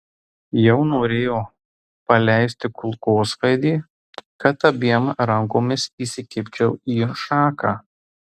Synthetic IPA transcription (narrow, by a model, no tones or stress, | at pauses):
jɛʊnoːɾʲeːjoː | pɐlʲæˑɪsʲt̪ʲɪkʊlˠkoːsʋɐɪd̪ʲiː | kɐt̪ɐbʲiɛmɾɐŋkoːmʲɪsiːsʲɪkʲɪpʲt͡ʃʲɛʊiːʃɑːkɑː